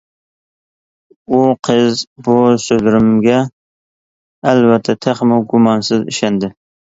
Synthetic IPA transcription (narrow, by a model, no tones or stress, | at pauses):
uqʰɨzbʊsɵzɾɪmɡʲɛ | lvæt̪ʰːat̪ʰaχmʊɡʊmɑnsɪzɪ̰ʃand̪ɪ